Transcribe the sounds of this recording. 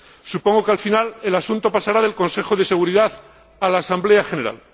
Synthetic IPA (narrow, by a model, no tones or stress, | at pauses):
supo̞ŋɡo̞kalfinale̞lasunt̪o̞pasaɾaðe̞lkõ̞nse̞xo̞ð̞e̞se̞ɣ̞uɾiðaθ | alaːsambleaxe̞ne̞ɾa̰l